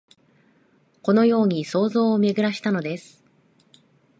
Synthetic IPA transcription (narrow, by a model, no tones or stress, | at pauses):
ko̞no̞jo̞ːɲ̟iso̞ːzo̞ːmʲe̞ɡɯ̟ɾaɕi̥t̪ano̞d̪e̞sɨ̥